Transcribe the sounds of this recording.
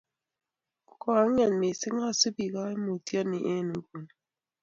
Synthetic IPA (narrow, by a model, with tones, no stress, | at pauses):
kɔ˨a˦ŋɛ˨nmi˨sɪ˦ŋa˦˨si˦bi˨ka˦e˦mo˨tjɔ˦ni˨ʔe˦nu˨˦bu˨n˨